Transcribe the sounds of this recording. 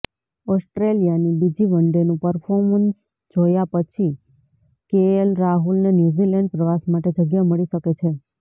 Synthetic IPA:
ɔsʈɾelijanibid͡ʒiʋəɳɖenũpəɾfʰɔɾməns | d͡ʒojapət͡ʃʰi | keəlɾaɦulnenjuzilɛɳɖ̚pɾəʋasmaʈed͡ʒəɡjaməɭiʃəket͡ʃʰe

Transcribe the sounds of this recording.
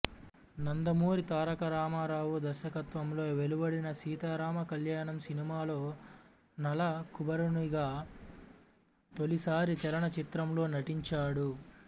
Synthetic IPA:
nɐnd̪ɐmuːɾit̪aːɾɐkɐɾaːmaːɾaːʋud̪ɐɾʃɐkɐt̪ʋɐmlo̞ːʋe̞lubɐɽinɐsiːt̪aːɾaːmɐkɐljaːɳɐmsinimaːlo̞ː | nɐlɐkubɐɾuɳiɡaː | t̪o̞lisaːɾit͡ʃɐlɐɳɐt͡ʃit̪ɾɐmlo̞ːnɐʈiɲt͡ʃaːɽu

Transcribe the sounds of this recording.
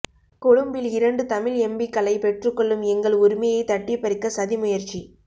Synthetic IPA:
kʊɻʊmbɪlɪɾɐɳɖɯt̪ɐmɪlɛmbɪkːɐlɐɪpɛʈrɯkːɔɭːɯmɛŋɡɐɭʊɾʊmɐjɐɪt̪ɐʈːɪpːɐɾɪkːɐsɐðimʊjɐɾt͡ʃi

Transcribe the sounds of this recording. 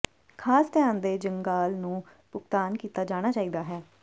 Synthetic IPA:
kʰaːst̪ɪjaːnd̪eːd͡ʒəŋɡaːlnũː | pʊkt̪aːnkiːt̪aːd͡ʒaːɽ̃aːt͡ʃaːiːd̪aːɦɛː

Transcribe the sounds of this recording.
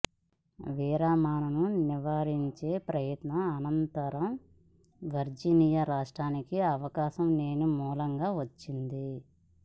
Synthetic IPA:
ʋiːɾaːmaːnɐnuniʋaːɾiɲt͡ʃe̞ːpɾɐjɐt̪nɐːnɐnt̪ɐɾɐm | ʋɐɾd͡ʒiniːjɐɾaːʂʈɾaːnikiɐʋɐkaːʃɐmne̞ːnumuːlɐŋɡaːʋɐt͡ʃːind̪i

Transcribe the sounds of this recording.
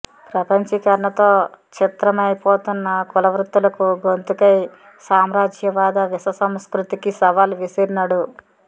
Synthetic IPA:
pɾɐpɐɲt͡ʃɐkɐɾɐɳɐt̪o̞ːt͡ʃit̪ɾɐmɐjpoːt̪unːɐkulɐʋɾut̪ːulɐkuɡont̪ukɐj | saːmɾaːd͡ʒjɐʋaːd̪ɐʋisɐsɐmskɾut̪ikisɐʋaːlʋisiɾinɐɽu

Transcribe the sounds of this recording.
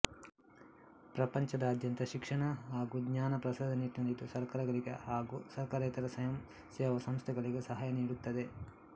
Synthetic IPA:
pɾɐpɐɲt͡ʃɐd̪ɐːd̪ʱjɐnt̪ɐʃikʂɐɳɐɦaːɡuɡɲaːnɐpɾɐsɐːd̪ʱɐnit̪nɐlid̪usɐɾkɐɾɐɡɐɾikɐ̰haːɡusɐɾkɐɾeːt̪ɐɾɐsɐjɐm | sɛːʋɐsɐmst̪ʰɛɡɐɭiɡesɐɦɐjɐniːɽut̪ːɐd̪e

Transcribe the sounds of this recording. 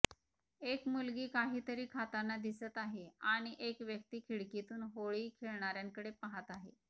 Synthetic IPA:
ekmulɡiːkaɦiːt̪əɾiːkʰat̪anːad̪isət̪aɦeaɽ̃iʔekʋjək̚t̪iːkʰiɭkit̪uːnɦoɭiːkʰeɭɳaɾjaŋkəɽepaɦat̪aɦe

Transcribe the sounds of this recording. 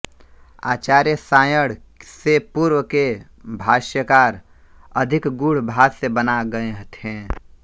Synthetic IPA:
a̰ːt͡ʃaːɾjəsaːjəɽ̤ | sepuːɾwəke | bʱaːʃjəkaːɾ | əd̪ʱɪkɡuɽ̤bʱaːsebənaɡəeɦət̪ʰẽː

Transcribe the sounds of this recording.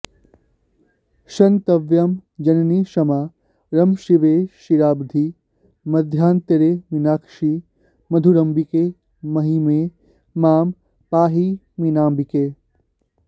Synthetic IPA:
ʃɐnt̪ɐʋjɐmd͡ʒɐnniːʃɐmaː | ɾɐmʃiʋeːʃiɾaːbd̪ʱi | mɐd̪ʱjaːnt̪ɐɾeːminaːkʂi | mɐd̪ʱuɾɐmbike | mɐɦime | maːm | paːɦi | minaːmbikeː

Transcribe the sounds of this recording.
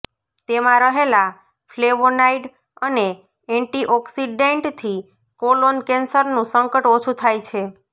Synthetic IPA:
t̪emãɾəɦela | fleʋonaiɖ | əne | ɛɳʈiʔɔksiɖeɳʈt̪ʰi | kolonkensəɾnũsəŋkəʈot͡ʃʰut̪ʰajt͡ʃʰe

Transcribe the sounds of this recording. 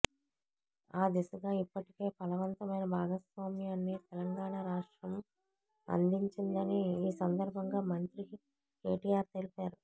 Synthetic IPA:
aːd̪isɐɡaːipːɐʈike̞ːpɐlɐʋɐnt̪ɐmɐjnɐbʱaːɡɐsʋaːmijaːnːit̪ɛlɐŋɡaːɳaːɾaːʂʈɾɐm | ɐ̰nd̪iɲt͡ʃind̪ɐniiːsɐnd̪ɐɾbʱɐŋɡaːmɐnt̪ɾi | keːʈiːjaːɾt̪e̞lipaːɾu

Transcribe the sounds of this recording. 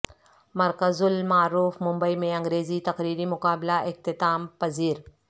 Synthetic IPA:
mɐɾkəzʊlmaːɾuːfmʊ̃mbəimẽɐ̃ŋɡɾeːzit̪ɐqɾiːɾimʊkaːblaʔɪk̚t̪ɪt̪aːmpɐziːɾ

